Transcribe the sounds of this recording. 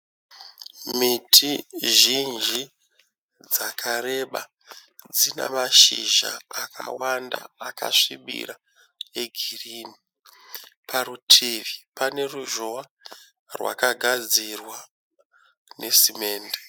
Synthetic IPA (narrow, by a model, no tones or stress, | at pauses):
mitʰiʒind͡ʒi | d͡zakʰaɾe̞ɓa | d͡zina̰maʃiʒa̰ːkʰa̰wandaaka̰ʂimḭɾa | eɡʱiriːni | pʰaɾutʰiʋipane̞ruʒoa | rwa̰kaɡʱad͡zirwa | ne̞sime̞ːnde